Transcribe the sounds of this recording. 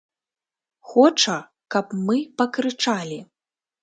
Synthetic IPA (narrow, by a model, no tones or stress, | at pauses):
xɔt͡ʂɐ | kɐpmɨpɐkɾɨt͡ʂalʲi